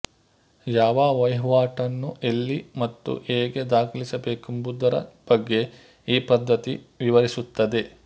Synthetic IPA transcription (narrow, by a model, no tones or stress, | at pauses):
jaːʋaːʋɐjɦʋaːʈɐnːuʔe̞lːimɐt̪ːṵeːɡe̞d̪aːkʰɐlisɐbe̞ːkumbud̪ɐɾɐ̰b̥ɐɡːe̞ | iːpɐd̪ːɐt̪iʋiʋɐɾisut̪ːɐd̪e̞